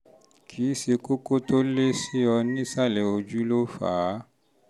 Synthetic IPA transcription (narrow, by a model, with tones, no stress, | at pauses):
kʰi˨˦se˨ko˦ko˦to˦le˦si˦ɔ˨nĩ˦sa˦le˨o˨d͡ʒu˦lo˦fa̰˨˦